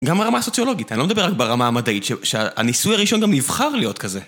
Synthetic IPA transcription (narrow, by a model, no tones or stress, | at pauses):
ɡamaʁamaso̞t͡sjo̞lo̞ɡit̪anilomed̪abe̞ʁak̚beʁamaːmad̪aitʃeʃeaa̰nisujaʁiʃo̞nɡamnivχaʁlijo̞tkaze